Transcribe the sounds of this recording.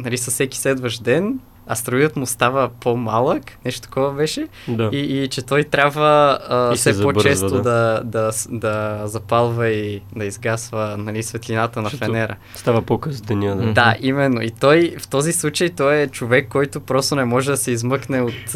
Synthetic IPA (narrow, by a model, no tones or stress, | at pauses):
nɐlisɐssɛki̥sɛd̪vəʒd̪ɛn | ɐ̰st̪ɾujət̪mʊst̪avəpomalˠəknɛʃt̪o̥t̪ɐ̥kɔvəbɛʃɛ | d̪aiːt͡ʃɛt̪ɔjt̪ɾʲabvəsɛpobt͡ʃɛst̪od̪ɐd̪ɐd̪ɐzɐpalˠvɐid̪ɐizɡasvənɐlisvɛt̪linat̪ənɐfɛnɛɾə̰ | st̪avəpokəzd̪ɛniəd̪d̪aʔimɛnːo̰it̪ɔjft̪ɔzislˠut͡ʃəjt̪ɔɛt͡ʃovɛkːɔjt̪opɾɔst̪onɛmɔʒɛd̪ɐsɛizmɤknɛot̪